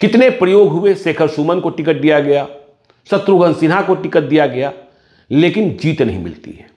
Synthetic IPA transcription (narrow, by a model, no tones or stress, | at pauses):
kɪt̪nepɾɐjoːɡɦʊeseːkʰəɾsuːmənkoʈɪkət̪̚d̪ijaɡɐja | sɐt̪ɾuɡə̃nsɪnɦakoʈɪkət̪̚d̪ijaɡɐja | leːkɪnd͡ʒiːt̪nɐ̰ɦḭ̃mɪ̰lt̪ḭɦɛː